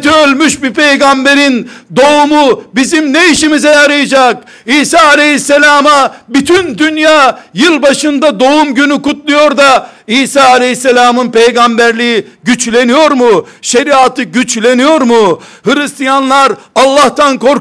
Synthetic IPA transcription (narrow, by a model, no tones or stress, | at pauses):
t̪iølʲmyʃbipʰe̞jɡambe̞ɾind̪o̞umubizimneiʃimizɛjaɾɯjad͡ʒak̚ | iːsaːlʲehisːelʲaːmabit̪ʰynd̪ynjaːjɯlˠbaʃɯnd̪ad̪o̞umɟynykut̪lˠujo̞ɾd̪aiːsaːlʲejisːelʲaːmɯnpe̞jɡambæɾlʲijiɟyt͡ʃlʲe̞nijo̞ɾmuʃe̞ɾiaːt̪ɯɟyt͡ʃlʲe̞nijo̞ɾmu | hɯlist̪ijanlˠaɾalˠːaht̪ʰanko̞ɾ